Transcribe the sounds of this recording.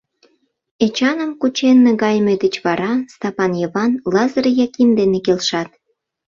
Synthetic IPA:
et͡ɕɑnəmkut͡ɕenːĕɣɑjmed̪ət͡ɕβɑɾɑst̪ɑpɑnjəβɑnlɑzəɾejɑkimd̪enekelʃɑt̪̚

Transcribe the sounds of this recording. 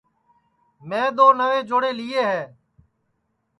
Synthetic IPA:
mɛ̃ːd̪oːnəʋeːd͡ʒoːɽeːliːeːɦɛː

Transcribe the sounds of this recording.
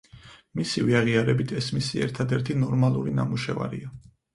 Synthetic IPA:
misiviaʁiaɾɛbit̪ʰɛsmisiɛ̰ɾt̪ʰad̪ɛɾt̪ʰinɔɾmalˠuɾinamuʃɛva̰ɾḭa

